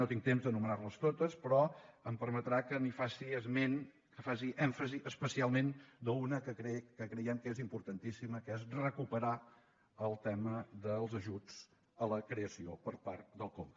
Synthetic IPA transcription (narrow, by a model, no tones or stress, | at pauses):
not̪iŋt̪emzd̪ənumənarləst̪ot̪əspɾɔəmpəɾmət̪ɾakənifasiəzmen | kəfasiʔɛɱfəziʔəspəsialˠmend̪əunəkəkɾɛkəkɾɛjəmkezimpuɾt̪ənt̪isiməkɛzrəkupəɾa | əlˠt̪ɛməðəlˠzəʒud͡z | ələkɾeəsiopəɾpaɾt̪̚d̪əlˠkom